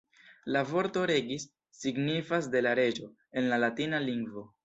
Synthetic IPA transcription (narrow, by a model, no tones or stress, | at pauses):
lavo̞ɾto̞ɾe̞ɡisː | iɡnifas̬de̞laɾe̞d͡ʒo̞ | e̞nlalatinaliŋɡvo̞